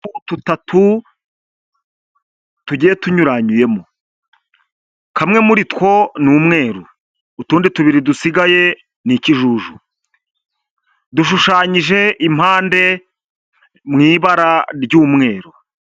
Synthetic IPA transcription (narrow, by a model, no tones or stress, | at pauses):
ututatʰu | tuɟijetuɲuɾaɲuje̞mo | kamŋe̞muɾitkwo̞nuːmŋe̞ːɾuː | tuːndituβiɾidusiɡaje̞ | niciʒuʒu | duʃuʃaːɲiʒe̞ʔim̥haːnde̞ | mŋiːβaɾaɾɟuːmŋe̞ːɾu